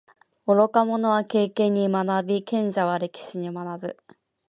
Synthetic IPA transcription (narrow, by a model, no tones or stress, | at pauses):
o̞ɾo̞kamo̞no̞βake̞ːkẽ̞ɲ̟ːimanabʲikẽ̞ɲ̟d͡ʑaβaɾe̞kʲi̥ɕiɲ̟imanabɯ̟